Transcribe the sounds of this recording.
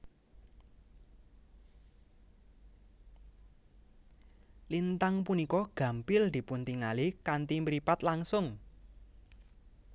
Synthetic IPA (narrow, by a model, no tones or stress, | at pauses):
lint̪aŋpunikɔɡ̥ä̤mpɪld̪̥i̤punt̪iŋalikant̪iməɾipat̪laŋsʊŋ